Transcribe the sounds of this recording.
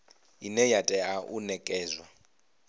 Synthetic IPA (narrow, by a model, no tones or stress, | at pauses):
inɛjatʼɛaʔunɛkʼɛːzwa